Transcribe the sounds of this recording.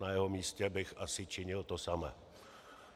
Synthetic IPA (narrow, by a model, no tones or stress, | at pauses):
najɛɦomiːscɛbɪxʔasɪt͡ʃɪɲɪlt̪osamɛ